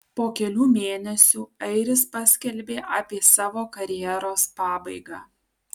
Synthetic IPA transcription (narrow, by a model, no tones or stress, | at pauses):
poːkʲɛlʲuːmʲeːnʲɛsʲuːɐɪɾʲɪspɐsʲkʲɛlʲbʲeːʔɐːpʲiɛsɑːʋoːkɐɾʲɪjɛɾoːspɑːbɐɪɡɑː